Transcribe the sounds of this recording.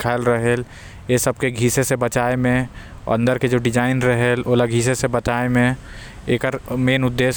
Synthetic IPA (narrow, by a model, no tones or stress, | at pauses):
kʰalɾɐɦel | jesɐb̚keɡʱiːsesebɐt͡ʃaːemḛ̃ | ɐ̃nd̪əɾked͡ʒoːɖɪd͡ʒaːɪnɾɐɦeloːlaɡʱiːsesebɐt͡ʃaːemẽ | eːkəɾmeːnʊd̪ːeːʃ